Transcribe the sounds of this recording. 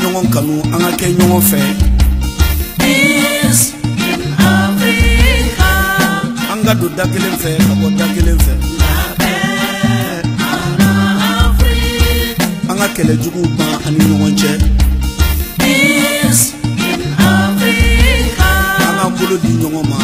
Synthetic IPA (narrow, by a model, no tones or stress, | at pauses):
ɲɔɡɔ̃kanũãŋkakɛɲɔɡɔ̃fɛ | is | afɾika | ãŋkadõdakelẽfɛkabɔdakelẽfɛ | fɾi | ãŋkakɛlɛd͡ʒuɡubãaniɲɔɡɔ̃ɲt͡ʃɛ | is | afɾikaãŋabolodĩɲɔɡɔ̃ma